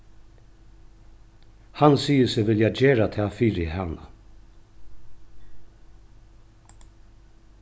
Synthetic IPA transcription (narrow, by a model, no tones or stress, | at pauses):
hansiːəsɪʋɪljad͡ʒeːɾat̪ʰɛːfiːɾɪɦana̰